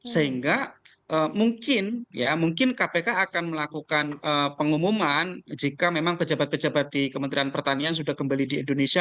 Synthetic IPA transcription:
səɦiŋɡa | ʔəːmuŋkɪnjamuŋkɪnkapekaːkanməlakukanəpəŋumumand͡ʒikamemaŋpəd͡ʒabat̪̚pəd͡ʒabat̪̚dikəmənt̪ɾianpərt̪anians̬udahkəmbalidiḭndonesia

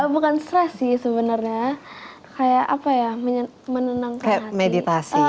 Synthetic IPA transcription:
əbukanst̪ɾɛsisəbənarɲa | kajaʔʔapajamə | mənənaŋkaajahamedit̪asi

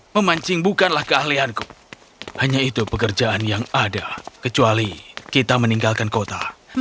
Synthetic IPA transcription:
məmaɲt͡ʃɪŋbukanlahkəahlianku | haɲait̪upəkərd͡ʒaʔanjaŋadakət͡ʃualikit̪aməniŋɡalkankot̪a̰

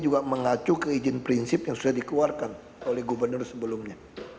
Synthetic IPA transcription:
d͡ʒuɡaməŋat͡ʃukəid͡ʒɪnpɾinsɪpjaŋsudahdikluarkan | olɛhɡubərnʊrsəbəlʊmɲa

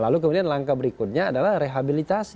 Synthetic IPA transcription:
laluk̬əmudianlaŋkabəɾikʊt̪̚ɲaːdalahreɦabilit̪asi

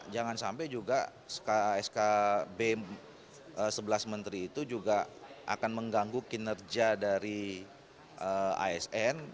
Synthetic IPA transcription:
d͡ʒaŋansampajd͡ʒuɡa | sə̥kaɛskabe | ʔəsəbəlasmənt̪ɾiːt̪ud͡ʒuɡaʔa̰kanməŋɡaŋɡukinərd͡ʒadaɾi | ʔəa̰ɛsɛn

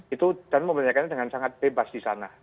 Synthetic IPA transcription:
it̪ud̥anməmbaɲakanɲadəŋansaŋat̪̚b̥ebasdisana

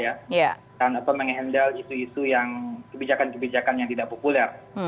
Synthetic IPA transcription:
jaja | danataməŋɦɛndəlisuisujaŋkəbid͡ʒakankəbid͡ʒakanjaŋt̪idaʔpopulɛr

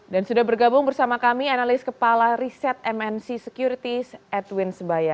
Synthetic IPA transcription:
dansudahbərɡabʊŋbərsamakamianalɪskəpalaɾisɛt̪̚ɛmɛnsisəkjuɾit̪isɛt̪wɪnsəbaja

